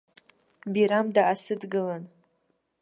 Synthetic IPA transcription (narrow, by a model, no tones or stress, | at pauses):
biɾamdaʔasɨdɡɨlan